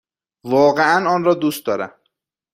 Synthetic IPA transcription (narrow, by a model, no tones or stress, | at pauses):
vɒːɣeænɒːnrɒːd̪uːst̪d̪ɒːɾæ̰m